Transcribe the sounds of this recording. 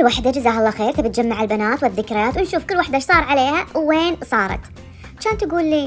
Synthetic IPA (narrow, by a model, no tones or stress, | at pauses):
waħd̪ad͡ʒazaːɦɑlˤːɑːxeːɾt̪abɪt̪̚d͡ʒamːaʕɪlbanaːt̪wɪðːɪkɾɪjaːt̪wɪnʃuːfkʊlːwaħd̪aʃsˤɑːɾˤʕaleːhawweːnsˤɑːɾˤɑ̰t̪ | ʕat͡ʃaːnt̪aɡuːlːiː